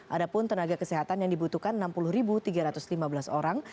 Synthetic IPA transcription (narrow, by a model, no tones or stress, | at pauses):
ʔadapʊnt̪ənaɡakəsɛɦat̪anjaŋdibut̪uhkanənampulʊhɾibut̪iɡaɾat̪ʊslimabəlasoɾaŋ